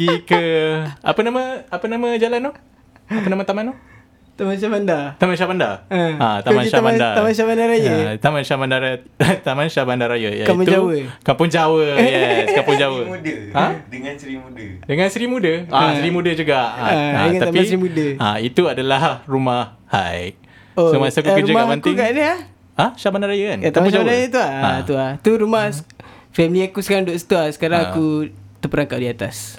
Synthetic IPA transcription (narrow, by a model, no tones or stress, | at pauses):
ɡikəa̰pənamə̃apənamə̃d͡ʒalanoh | apənamat̪amãnɔ | t̪amanʃabandat̪amanʃabanda̰aãt̪amãnʃaaandaamanʃabandaɾajət̪amanʃabandaɾat̪amanʃabandaɾajə̰jakaiput̪ud͡ʒawəkampʊnd͡ʒawəjɛskampʊnd͡ʒawəudəãdəŋansɾimudədəŋãnsəɾimudəaəɾimudəd͡ʒuɡaʔaadəŋanaamiaɾimudəait̪uadalahrumahːa̰j | oəmasakukəɾud͡ʒamamantk̪uŋɡaʔnəa | ahʃabandaɾajakanat̪amaʃd͡ʒabanɾajat̪uaat̪uat̪uɾumahs | fɛmliakusə̥kaɾaŋdoʔsə̥t̪uasə̥kaɾaŋakut̪əpəɾaŋkaʔdiat̪as